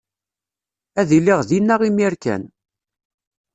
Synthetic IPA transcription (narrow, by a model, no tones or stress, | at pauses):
æðilːiʁðinːæʁimiɾkæ̰n